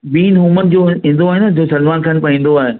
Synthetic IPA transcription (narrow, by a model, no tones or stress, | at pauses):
biːnɦũːmənɪ̆d͡ʑoːɦɪ̃n̆d̪oaːɦenɐd͡ʑoːsɐlmaːnkʰaːnpɐĩːn̆d̪oaːɦeː